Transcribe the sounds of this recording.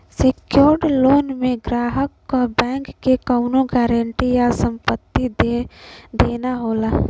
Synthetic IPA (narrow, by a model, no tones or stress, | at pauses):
sekjoːɾɖloːnmẽɡɾaːɦəkːobɛ̃ːŋkːekaʊnõɡɛːɾəɳʈijasə̃mpət̪ːi | d̪eːnaɦoːlaː